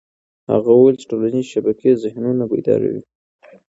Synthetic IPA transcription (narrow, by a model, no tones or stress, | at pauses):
ha̰ɣawəwelt͡ʃe̥ʈolanizʃabakezɪhnunaba̰jd̪ɑ̰ɾa̰wḭ